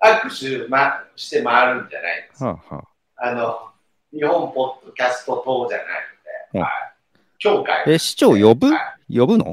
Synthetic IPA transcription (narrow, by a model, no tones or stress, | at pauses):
akːɯ̟ɕɨmaɕi̥t̪e̞maaɾɯ̟̃ɲd͡ʑa̰na̰ḭd̪esaːha̰ː | ano̞ | ɲihõ̞mpo̞d̪̥ːo̞kʲasɨ̥t̪o̞t̪o̞ːʑa̰na̰inod̪e̞̰hoa̰i | kʲo̞ːka̰ieɕi̥t͡ɕoːjo̞bɯ̟ajo̞bɯ̟no̰